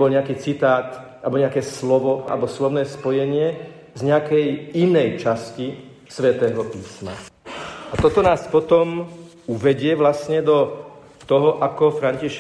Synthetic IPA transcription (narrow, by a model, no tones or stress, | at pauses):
bɔlɲɛakiːt͡sit̪aːt̪ | albɔɲɛakɛːslɔʋɔa̰lɛbɔslɔʋnɛːspɔjɛɲɪɛ | zɲɛakɛjinɛjt͡ʃasci | sʋɛt̪ɛːɦɔpiːsma̰ | at̪ɔt̪ɔnaːspɔt̪ɔm | uʋɛɟɪɛʋlasɲɛd̪ɔ | t̪ɔɦɔʔakɔfɾaɲciʃ